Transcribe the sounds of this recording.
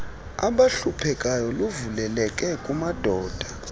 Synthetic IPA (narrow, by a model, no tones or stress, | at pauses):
a̰ɓaɬupʰɛkʼajɔluvulɛlɛkʼɛkʼumad̥ʱɔːd̥ʱa